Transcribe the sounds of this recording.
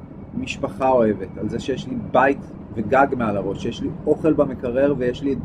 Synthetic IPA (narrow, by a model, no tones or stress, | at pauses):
miʃpaχao̞evetalzeʃejeʃlibajt | veɡaɡmealaʁo̞ʃejeʃlio̞χe̞lbamekaʁe̞ʁvejeʃli